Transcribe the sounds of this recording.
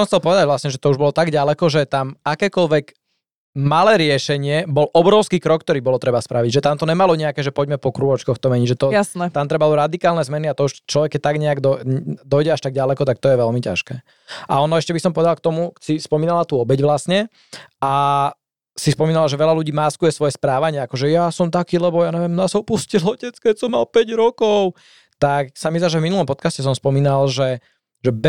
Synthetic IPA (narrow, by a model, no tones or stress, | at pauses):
sɔmxtt͡sɛlpɔʋɛd̪aɟʋlasɲɛʒɛt̪ɔuʒbɔlɔt̪aɡɟalɛkɔʒɛt̪amakɛːkɔlʋɛɡ | malɛːɾɪɛʃɛɲɪɛbɔlʔɔbɾɔʊskiːkɾɔk̚ːt̪ɔɾiːbɔlɔt̪ɾɛbaspɾʔaʋiɟʒɛt̪amt̪ɔɲɛmalɔɲɛakɛːʒɛpɔɟmɛpɔkɾuʋɔt͡ʃkɔxt̪ɔmɛɲiɟʒɛt̪ɔjasnɛt̪amt̪ɾɛbauɾad̪ikaːlnɛzmɛniat̪ɔuʃt͡ʃlɔʋɛkːɛc̚t̪aɡɲɛaɡd̪ɔd̪ɔjɟɛaʃt̪aɡɟalɛkɔt̪ak̚t̪ɔjɛʋɛlmica̰ʃkɛː | ʔa̰ɔnɔɛʃcɛbisɔmpɔʋɛd̪alˠkt̪ɔmusispɔmiːnalat̪uːɔbɛɟʋlasɲɛ | a | sispɔmiːnalaʒɛʋɛlaluɟiːmaːskujɛsʋɔjɛspɾaːʋaɲɪɛakɔʒɛjasɔmt̪akiːlɛbɔjaːɲɛʋjɛmnasɔpuscilɔcɛt͡skɛcsɔmːalpɛɟɾɔkɔʊ | t̪aksamis̬laʒɛvminulˠɔmpɔt̪kascɛs̬ɔmspɔmiːnalʒɛ | ʒɛb